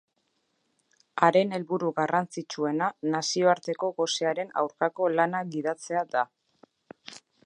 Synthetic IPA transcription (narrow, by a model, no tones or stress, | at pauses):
aɾe̞ne̞lβuɾuɣarant͡sit͡ʃue̞nanasio̞aɾt̪e̞ko̞ɣo̞seaɾe̞na̰wɾkako̞lanaɡið̞at͡se̞ad̪a